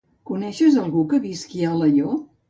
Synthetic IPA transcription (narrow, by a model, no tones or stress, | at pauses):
kunɛʃəzəlˠɣukəβiskialəjo